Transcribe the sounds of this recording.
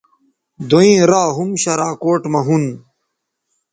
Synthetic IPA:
d̪oĩɾaːɦumɕɐɾaːkoːʈmɐɦun

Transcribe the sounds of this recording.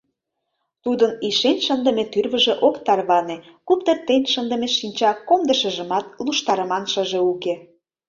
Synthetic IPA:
t̪ud̪əniʃenʲʃənd̪ə̆met̪yrβə̆ʒeʔokt̪ɑrβɑne | kup̚t̪ərt̪enʲʃənd̪ə̆meʃinʲt͡ɕɑkomd̪əʃə̆ʒə̆mɑt̪̚luʃt̪ɑɾə̆mɑnʃəʒĕuke

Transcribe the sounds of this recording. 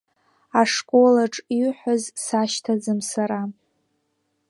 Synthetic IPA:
aʂkʼo̞laʈ͡ʂʼiħʷazsaʃtʰad͡zɨmsaɾa

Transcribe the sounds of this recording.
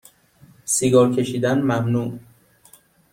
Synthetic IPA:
siɡɒːɾcʰe̞ʃiːd̪ænmæmnuːʔ

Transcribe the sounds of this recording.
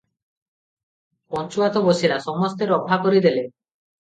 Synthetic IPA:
pɔnt͡ʃuat̪ɔbosiɾasɔmɔst̪eɾɔpʰakoɾid̪ele

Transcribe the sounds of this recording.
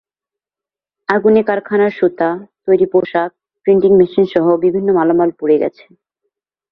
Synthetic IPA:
aɡunekaɾkʰanaɾʃot̪at̪ojɾipoʃak̚ | pɾiɳʈiŋmiʃinʃɔɦobibʱinːomalomalpuɾeɡɛ̰t͡ɕʰe̥

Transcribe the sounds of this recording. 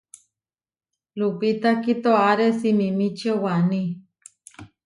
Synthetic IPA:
lupit̪akit̪oaɾesimimit͡ʃiowanĩ

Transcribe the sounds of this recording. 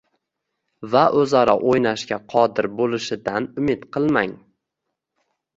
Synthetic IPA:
vaʔɵzaɾaʔojnaʃkʲaqʰɒd̪ɪɾbolˠɪʃɪd̪anʊmɪt̪qʰɨlˠmaŋ

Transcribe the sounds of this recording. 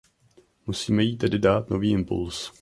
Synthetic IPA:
musiːmɛjiːt̪ɛdɪdaːt̪no̞viːʔɪmpṵls

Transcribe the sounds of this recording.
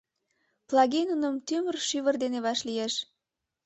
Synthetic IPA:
plˠɑɣenunəmt̪ymərʃyβərd̪eneβɑʃlijeʃ

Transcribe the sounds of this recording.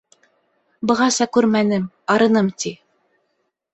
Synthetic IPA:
bɤ̆ʁɑsɑkʉɾmænɘm | ɑɾɤ̆nɤmt̪i

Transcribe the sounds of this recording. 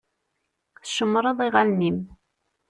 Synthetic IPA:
θʃəmːɾˤɑðˤiʁalnim

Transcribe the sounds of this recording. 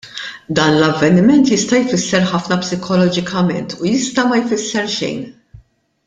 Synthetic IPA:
d̪ɐːnlɐvːɛnɪmɛnt̪jɪst̪ɐjfɪsːɛɾħɐfnɐpsɪkʰɔlɔd͡ʒɪkɐmɛ̰nt̪ʰujɪst̪ɐmɐjfɪsːɛɾʃɛ̰jn

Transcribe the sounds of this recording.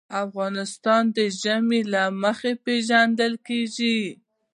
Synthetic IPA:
afɣɑnɪst̪ɑnd̪əʒamelaməxepeʒand̪əlkeʒi

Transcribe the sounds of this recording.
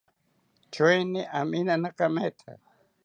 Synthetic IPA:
t͡ʃojnɪʔaminanakamet̪ʰa̰

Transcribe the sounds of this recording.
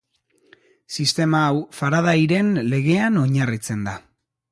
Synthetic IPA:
sist̪e̞maːwfaɾað̞ajɾe̞nle̞ɣ̞e̞ano̞ɲarit͡send̪a

